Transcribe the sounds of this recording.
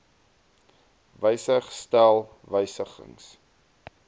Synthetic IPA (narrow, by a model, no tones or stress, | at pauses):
vəjsəχstælˠ | vəjsəχə̰ŋs